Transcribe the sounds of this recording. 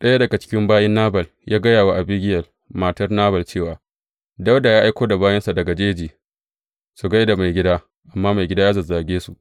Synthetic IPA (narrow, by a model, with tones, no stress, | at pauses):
ɗɐ˦ja˦dɐ˨ɡa˨t͡ʃɪ̥˦kʲɪ˦mbaː˦jɛ˦nːaː˦bɐ˨l | jaː˦ɡɐ˦jaː˨wa˦ʔa˨bɪ˦ɡʲɪ˦jɐ˨l | maː˨tɐ˦rnaː˦bɐ˨lt͡ʃeː˦˨waː˨ | dɐ˦wda˨jaː˦ʔa˦jkʷoː˦da˨baː˦jɐ˦nsa˨dɐ˨ɡa˨d͡ʒeː˦d͡ʒiː˨ | su˨ɡa˦jda˨ma˨jɡʲɪ˦daː˦ | ʔa˨mːaː˦ma˨jɡʲɪ˦da˦jaː˦zɐ˨zaː˨ɡʲeː˦su˨ʔ